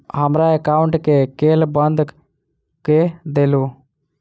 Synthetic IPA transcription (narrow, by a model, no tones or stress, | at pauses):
ɦəmɾaekaːʊɳʈkekeːlbənd̪ʱ | ked̪eːlu